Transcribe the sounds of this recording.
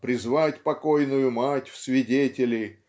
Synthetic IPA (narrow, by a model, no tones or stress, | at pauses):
pɾʲɪzvatʲpɐkojnʊjʊmatʲfsʲvʲɪdʲetʲɪlʲɪ